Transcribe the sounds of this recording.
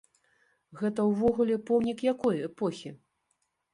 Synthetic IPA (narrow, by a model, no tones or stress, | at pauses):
ɣɛt̪ɐwvɔɣulʲɛpɔwnʲikjakɔjɛpɔxʲi